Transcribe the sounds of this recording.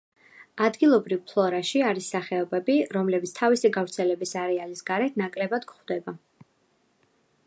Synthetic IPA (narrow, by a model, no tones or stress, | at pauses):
ad̪ɡilˠɔbɾivpʰlˠɔɾaʃiaɾisːaχɛɔbɛbiɾɔmlɛbit̪sʰt̪ʰavisiɡavɾt̪sʰɛlɛbisaɾɛalisɡaɾɛt̪ʰnakʼlɛbad̪ɡχvd̪ɛba